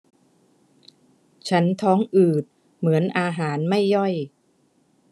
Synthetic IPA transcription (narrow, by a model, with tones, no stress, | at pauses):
t͡ɕʰa˦˥nt̪ʰɔː˦˥ŋʔɯː˨˩t̪̚ | mɯ˩˦ənʔaː˧ɦaː˩˦nma˥˩jːɔ˥˩j